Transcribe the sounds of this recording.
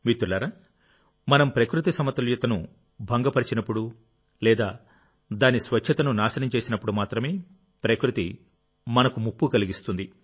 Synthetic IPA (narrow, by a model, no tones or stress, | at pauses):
ʋit̪ːulɐɾɐ | mɐnɐmpɾɐkɾut̪isɐmɐt̪ːɐljɐt̪ɐnu | bʱɐŋɡɐpɐɾit͡ʃinɐpːuɽu | lɛːd̪aː | d̪aːnisʋɐt͡ʃt͡ʃʰɐt̪ɐnunaːsɐnɐmt͡ʃeːsinɐpːuɽumaːt̪ɾɐme̞ː | pɾɐkɾut̪ḭ | mɐnɐkumupːukɐliɡist̪und̪i